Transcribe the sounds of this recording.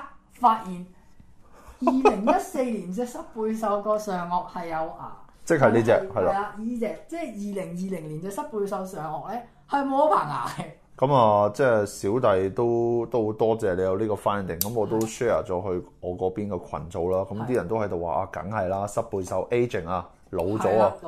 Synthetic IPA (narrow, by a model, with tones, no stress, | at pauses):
faː˧t̚jiː˨n | jiː˨˧ɪ˨˩ŋjɐ˥t̚se˧jliː˨˩nt͡sɛː˧sɐ˥t̚puː˧jsɐ˨˧wkɔː˧sœː˨ŋɔː˨k̚hɐ˨jːɐ˨˧waː˨t͡sɪ˥k̚hɐ˨jniː˥t͡sɛː˧khɐ˨jla˧˥a˧jiː˧t͡sɛː˧k̚t͡sɛː˥˩jiː˨˩lɪ˨˩ŋjiː˨lɪ˨˩ŋliː˨˩nt͡sɛː˧sɐ˥t̚puː˧jsɐ˧wsœː˨ŋɔː˨k̚lɛː˥ | hɐ˨jmo˨˧wɐ˥pʰaː˨˩ŋa̰ː˨˩kɛ˧ | kɐ˨˥mɐː˨t͡sɛː˥˧siː˨˥wt̪ɐ˨jt̪o˥wt̪o˥wt̪ɔː˥t͡sɛː˨le˨˧jɐ˨˧wliː˥kɔː˧faː˥nd̪ɪ˨˩ŋkɐ˨˦mɔː˨˧t̪o˥wʃɛː˥˩ɐ̰˨˩t͡sɔː˨˥ɦɵ˧ɥɔː˨˧kɔː˨˥piː˥nkɛː˧kʷʰɐ̰˨˩nt͡so˨˧wlaː˥kɐ˨˦mt̪iː˥jɐ˨˩nt̪o˥hɐ˨˥jt̪o˨wa̰ː˨˩ʔa̰ː˧kɐ̰˨˥ŋhɐ˨jlaː˥sɐ˥t̚puː˧jsɐ˨˥wʔe˥jt͡ʃɪ˨˩ŋaː˧ | lo˨˧wt͡sɔː˨˥a˧